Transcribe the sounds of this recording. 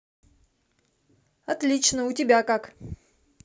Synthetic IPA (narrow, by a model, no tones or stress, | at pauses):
ɐt̪lʲit͡ɕnəʊtʲɪbʲakak